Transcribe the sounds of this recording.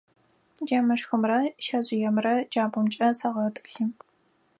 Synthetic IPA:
d͡ʒɐmɐʂxɨmrɐʃɐʑʼɪjɛmrɐd͡ʒaːbʷɔmt͡ʃʼɐsɐʁɐtʼɨɬɨ

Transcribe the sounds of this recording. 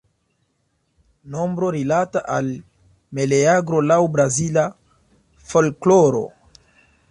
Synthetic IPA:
no̞mbɾo̞ɾilataʔal | meleaɡɾo̞lawbɾazila | fo̞lkloɾo̞̰

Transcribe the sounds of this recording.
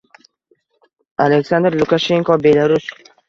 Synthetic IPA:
aleksand̪ɾlˠʊkaʃe̞ŋkɔbelaɾʊs

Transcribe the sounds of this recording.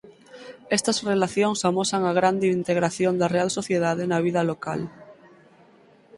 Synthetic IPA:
ɛst̪ɐsrelaθjoŋsamosaŋaɣ̞ɾand̪eint̪eɣɾaθjond̪ɐrealsoθjeðaðenɐβ̞iðɐloka̰l

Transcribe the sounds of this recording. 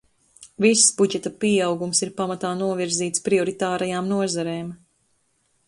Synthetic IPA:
visːbuɟɛt̪apiawɡumsiɾpamat̪aːnuɔviɾziːt̪spɾiɔɾit̪aːɾajaːmnuɔzaɾeːm

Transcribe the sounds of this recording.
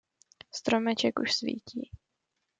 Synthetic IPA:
st̪ɾomɛt͡ʃɛkṵʃsvḭːciː

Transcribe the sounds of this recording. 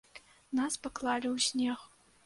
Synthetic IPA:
naspaklˠalʲiwsʲnʲex

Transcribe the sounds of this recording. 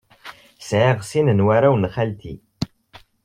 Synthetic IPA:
sʕeʁsinənwæɾæwnχælt̪ḭ

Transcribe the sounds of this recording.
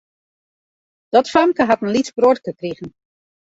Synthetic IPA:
d̥ɔtfamkəɦatən̩lisbrotkəkriɣən̩

